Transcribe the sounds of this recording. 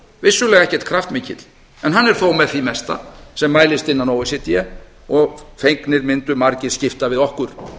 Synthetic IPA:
vɪsːʏlɛːɣaɛhcɛ̥t̪̚kʰɾaft̪mɪːcɪt̪l̥ | ɛnɦanːɛɾ̥θowmɛðθimɛst̪a̰sɛmːaːjlɪst̪ɪnːanowɪsjɛt̪jɛ | ɔɣfejŋknɪɾmɪnt̪ʏmaɾcɪ̥scɪft̪avɪðɔhkʏɾ̥

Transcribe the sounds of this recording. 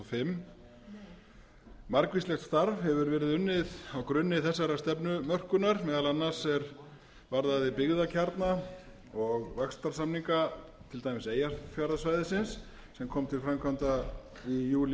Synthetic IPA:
fɪmː | maɾkvislɛxt̪st̪aɾvhɛvʏɾvɛːɾɪðʏnːɪðawkɾʏnːɪθɛsːaɾast̪ɛpnʏmœr̥kʏnaɾmɛːðalanːasɛɾ | vaɾðaðɪpɪɣðacʰaɾt̪na | ɔɣvɛkst̪aɾ̥samniŋkat̪ʰɪlt̪ajmɪseːjafjaɾðasvajðɪsɪns | sɛmkʰɔːmt̪ʰɪlfɾamkʰvant̪a | ijuːl

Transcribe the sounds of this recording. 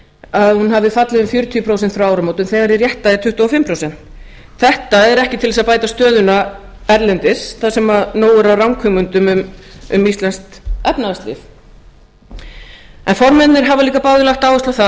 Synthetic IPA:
aðhunhavðɪfat̪lɪðʏmfjœɾʏt̪ʰijʏpʰɾowsɛnt̪fɾawawɾamoːwt̪ʏnθɛɣaɾɪrjɛht̪aðɪt̪ʰʏht̪aɔfɪmpʰɾoːwsɛn̥t̪ | θɛht̪aɛɾɛhcɪt̪ʰɪlvɛsapaːjt̪ast̪œːðʏna | ɛɾlɛnt̪ɪsθasɛmaðnoːwʏɾawrawŋkʰœmʏnt̪ʏmʏmʏmist̪lɛnst̪ɛpnaast̪lɪ̰f | ɛnfɔɾmɛt̪nɪɾɦavaliːkapawðɪlaht̪aːwɪst̪awθa

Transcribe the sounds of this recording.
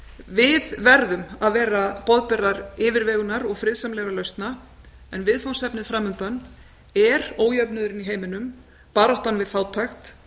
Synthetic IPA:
vɪðvɛɾðʏmaðvɛːɾapɔðpɛɾðaɾɪːvɪɾvɛːɣʏnaɾɔɣfɾɪðsamlɛɣɾalœɥst̪na | ɛnvɪðfawnsɛpnɪðfɾaːmʏnt̪an | ɛɾoːwjœpnʏðʏɾɪniɦeːjmɪnʏm | paːɾɔht̪anvɪðfaːwt̪ʰajxt̪

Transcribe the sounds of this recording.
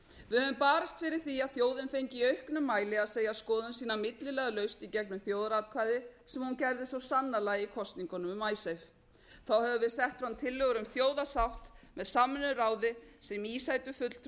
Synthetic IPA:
vɪðhœvʏmpaːɾast̪fɪɾɪɾ̥θiaðθjoːwðɪnfejɲcɪiœɥhknʏmːaːjlɪaðseːjaskɔːðʏnsiːnamɪt̪lɪlɛːɣalœɥst̪icɛknʏmθjoːwðaɾaːt̪̚kʰvaːjðɪsɛmhuncɛɾðɪsvɔsanːalajikʰɔst̪niŋkɔnʏmʏmːaːjsejf | θawhɛvɪvɪðsɛht̪fɾawnt̪ʰɪlːœɣʏɾʏmθjoːwðasawht̪mɛðsaːmɛnʏɾaːwðɪsɛmiːsajt̪ʏfʏt̪l̥t̪

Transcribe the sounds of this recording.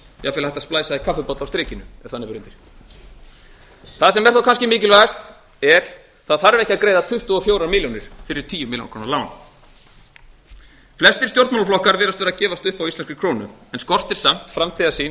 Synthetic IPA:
jafɪːlahɛht̪asplaːjsaðikʰafʏpɔt̪lawst̪ɾɪːcɪnʏɛɾ̥θanːɪpɾʏnt̪ɪɾ̥ | θaðsɛmvɛɾ̥θawkanscɪmɪːcɪlvajast̪ | ɛɾ̥ | θaðθaɾvɛhcɪaðkɾeːjðat̪ʰʏht̪ʏɔfjoːwɾamɪljownɪɾ̥fɪɾɪɾ̥t̪ʰiːjʏmɪlja̰nkʰɾoːnaɾlaːwn | flɛst̪ɪɾ̥st̪jowɾt̪manlaflɔhkaɾvɛːɾast̪vɛːɾðacɛːvast̪ʏhpawislɛnskɾɪkʰɾoːnʏɛnskɔr̥t̪ɪɾ̥sam̥t̪fɾamt̪ʰiðasiː

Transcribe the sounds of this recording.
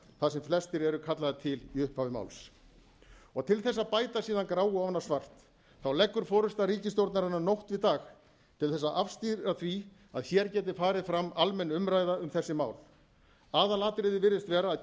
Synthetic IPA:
θaðsɛmflɛst̪ɪɾɛɾʏkʰat̪laðat̪ʰɪliʏhpavɪma̰wls | ɔɣt̪ʰɪlθɛs̬ːapaːjt̪asiːðankɾawɣʏavanːasvar̥t̪ | θawlɛkːʏɾ̥fɔːɾʏst̪aɾiːcɪst̪owɾt̪naɾɪnːanowht̪vɪðt̪aːx | t̪ʰɪlθɛsːaʔafst̪iɾaθvi | a̰ðçɛɾcɛːt̪̬ɪfaːɾɪðfɾamːalmɛnːʏmɾajðaʏmθɛsːɪma̰ːwl | aːðalaːt̪ɾɪðɪvɪɾðɪst̪vɛːɾaːð

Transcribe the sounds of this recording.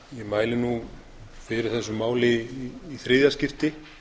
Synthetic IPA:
jɛmaːjlɪnu | fɪɾɪɾ̥θɛsːʏmaːwlɪiːθɾɪːðjascɪft̪ɪ

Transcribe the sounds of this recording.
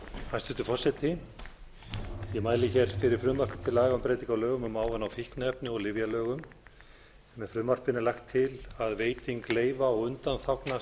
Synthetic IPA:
hanst̪ʏht̪ʏfɔrsɛt̪ɪ | jɛmaːjlɪçɛɾ̥fɪɾɪɾ̥fɾʏmar̥kʏ̥t̪ʰɪlaːɣaʏmpɾejt̪̬iŋkawlœːɣʏmʏmaːwvanawfihknɛpnɪɔlɪvjalœːɣʏm | mɛfɾʏmvar̥pɪnɪlajxt̪ʰːɪlaðveːjt̪iŋkleːjvaɔɣʏnt̪anθawkna

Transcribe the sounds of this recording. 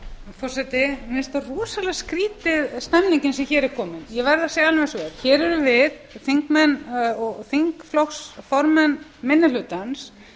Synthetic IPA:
fɔr̥sɛt̪ɪmɪst̪arɔːsalɛɣskɾiːt̪ɪðst̪ɛmniɲcɪnsɛmçɛːɾɛɾ̥kʰɔːmɪnjɛvɛɾðaseɣalnvɛsvɛɾçɛːɾɛɾʏvɪðθiŋkmɛnːɔɣθiŋkflɔxsfɔɾmɛnmɪnːɪlʏːt̪ans

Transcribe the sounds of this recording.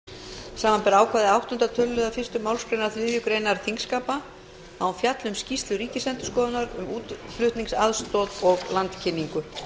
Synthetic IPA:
saːmanpɛɾaːwkʰvaːðɪawht̪ʏnt̪at̪ʰœlːʏðafɪr̥st̪ʏmawlskɾejnaɾθlɪðjʏkɾeːjnaɾθiŋkskaːpa | awfjat̪lʏmscist̪lʏɾiːcɪsɛnt̪ʏ̥skɔːðʏnaɾʏ̰muːt̪flʏht̪niŋsaðst̪ɔðɔɣlant̪cʰɪnːiŋkʏ

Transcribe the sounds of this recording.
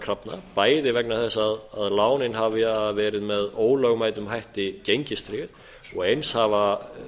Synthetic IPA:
kʰɾapnapaːjðɪvɛknaθɛsːaðaðlaːwnɪnɦavɪavɛːɾɪðmɛðoːwlœɣmajt̪ʏmɦajht̪ɪcejɲcɪst̪ɾɪːɣɪɾ | ɔɣejnshava

